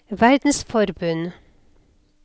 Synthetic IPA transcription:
ʋæɾd̪n̩sfɔɾbʉn

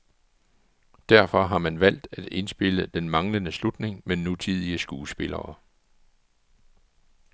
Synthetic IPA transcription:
d̥æɐfɒ̽ɦɑ̈mænʋæl̰d̥æd̥e̝nsb̥e̝ləd̥enmɑ̈ŋlənəslud̥ne̝ŋmenut͡sʰið̞̰ˠiəsɡ̥uːsb̥e̝lɐ̰ː

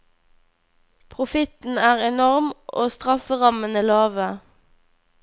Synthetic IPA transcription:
pʰʁʊfɪt̪n̩æːʁɛnɔʁmʔoːst̪ʁɑfəʁɑmənəlɑːʋə

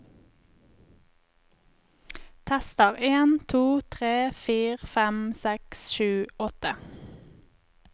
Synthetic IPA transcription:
t̪ʰæst̪əʁeːnt̪ʰuːt̪ʰʁeːfiːʁfɛmsɛksʃʉːɔt̪ə

